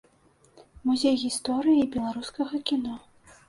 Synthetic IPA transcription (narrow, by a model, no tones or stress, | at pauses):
muzʲejɣʲist̪ɔɾɨjibʲɛlˠaɾuskɐɣɐkʲinɔ